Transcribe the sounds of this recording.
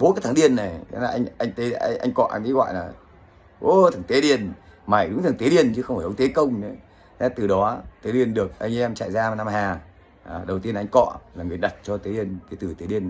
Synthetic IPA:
ɓo˨˦ka˨˦t̪ʰaː˨˦ɗi˧ənːa˨˩jʰlaː˨˧ʔjŋʔa˧jŋ̟t̪e˨˦˧ʔa̰˧jŋ̟kɔ̰˧˨ʔa˧ŋi˨˦ɣwɔ̰ː˧˨jlaː˨˩ | ʔo˦t̪ʰɨ˨˩ŋt̪e˨˦ɗi˧˩ən | ma˨˩jɗʊ˨˦ŋ͡mt̪ʰɨ˨˩ŋt̪e˨˦ɗi˧˩ənt͡ɕɨ˧˨˦xə˧wŋ͡mfaː˧˩ʔə˧˦ŋ͡mt̪e˨˦kə˧wŋ͡mnə˨˦ | a˨˧˦t̪ɨ˨˩ɗɔ˨˦t̪e˨˦ɗi˧ənɗɨ˨˩ək̚ʔa˧jŋ̟ʔɛ˧mt͡ɕa̰ː˧˨jzaː˧˨˩na˧mhaː˨˩ | ʔɗə˨˩wt̪i˧ənʔa˧jŋ̟kɔ̰˧˨laː˨˩ŋɨ˨˩əjɗə˨˩t̚t͡ɕɔ˧t̪e˨˦ɗi˧ənkaː˨˦jt̪ɨ˨˩t̪e˨˦ɗi˧ən

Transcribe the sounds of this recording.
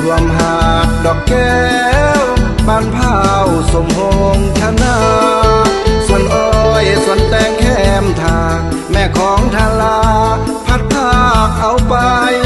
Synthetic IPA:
kʰu˧mɦa˧˩k̚dɔː˧˩kːɛː˧ | wbaː˧˩npʰaː˧˩ | wso˨˦mho˧ŋt̪ʰa˧na˧ | su˧˩ənʔɔː˧jsu˧˩˦ənt̪ɛː˧ŋkʰɛː˧˩mt̪ʰaː˧ | mɛː˧˩kʰɔː˨˦ŋt̪ʰaː˧la˧ | pʰa˧˥t̪̚p̪ʰːaː˧k̚ʔa˧˩wpa˧j

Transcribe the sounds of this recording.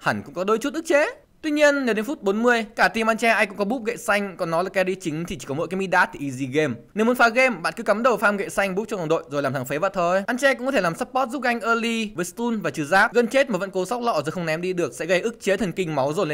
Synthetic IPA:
ha˧˩ŋ̟kʊ̰˧˥ŋ͡mkɔ˨˦ɗo˨˦jt͡ɕu˦˥t̚ʔɨ˦˥k̚t͡ɕe˨˦ | t̪wi˧ɲi˧ənne˨˧wɗe˨˦nfu˦˥t̚ɓo˨˦nmɨ˧əjkaː˧˩t̪i˧˩mʔa˧nt͡ɕɛ˧ʔaː˧jŋkʊ̰˧˥ŋ͡mkɔ˨˦ɓu˦˥p̚ɣə̰˧˨jsa˧jŋ̟kɔ˨˩nɔ˨˦laː˨˩kɛ˧ɗi˧t͡ɕï˨˦ŋ̟t̪ʰi˨˩t͡ɕi̥˧˩kɔ˨˦mɔ̰˧˨jkaː˨˦mi˧ɗaː˦˥t̪̚ʰi˨˩ʔi˧zi˧ɣe˧mne˧˦m˨˦nfaː˨˦ɣe˧mɓa̰ː˧˨nkɨ˨˦ka˨˦mɗə˨˩wfaː˧mɣḛ˧˨jsa˧jŋ̟ɓu˦˥k͡p̚t͡ɕɔ˧ŋka˨˩ɗo̰˧˨jzo˨˩laː˨˩mt̪ʰaː˨˦ŋfe˨˦va̰˧˨t̪ʰo˧jʔaː˧nt͡ɕɛ˧kŋ͡mkɔ˨˦t̪ʰe˧˩laː˨˩msaː˦˥p̚pɔ˦˥t̚zu˦˥p̚ɣa˧jŋ̟ʔəː˧li˧vəː˨˦st̪u˧nvaː˨˩t͡ɕɨ˧˩zaː˦˥p̚ɣə˧˩nt͡ɕe˦˥t̚maː˨˩və̰˧˥nko˨˦sa˦˥wk͡p̚lɔ̰˧˨zo˨˩jxə˧wŋ͡mnɛ˨˦mɗi˧ɗɨ˨˩ək̚sɛ̰˧˥ɣə˧jʔɨ˦˥k̚t͡ɕe˨˦t̪ʰə˨˩ŋkï˧ŋ̟ma˨˦wzo˨˩jl

